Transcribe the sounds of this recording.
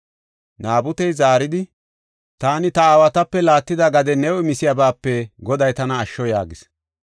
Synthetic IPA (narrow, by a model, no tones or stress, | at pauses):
naːbʊt̪ɛjzaːɾɪd̪ɪ | t̪aːnɪt̪ɐaːwɐt̪ɐpːɛlaːt̪ːɪd̪ɐɡɐd̪ɛnɛwɔɪmɪsɪjabaːpːɛɡɔd̪ɐjt̪ɐnɐːʃːɔja̰ːɡɪs